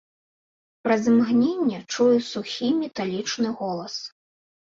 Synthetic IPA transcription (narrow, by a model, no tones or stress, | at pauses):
pɾɐzmɣnʲenʲːɛt͡ʂujɛsuxʲimʲɛt̪alʲit͡ʂnɨɣɔlˠɐs